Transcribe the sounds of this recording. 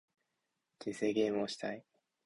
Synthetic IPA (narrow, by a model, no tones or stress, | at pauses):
tiseːɡe̞ːmɯ̟oɕi̥t̪ai